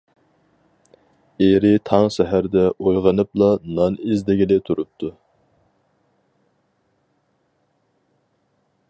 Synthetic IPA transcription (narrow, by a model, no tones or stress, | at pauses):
eɾɪt̪ʰɑŋsɛɦæɾd̪ɛʔojʁənɨplˠɑnɑnizd̪ɪɡʲilɪt̪ʰuɾup̚t̪ʰu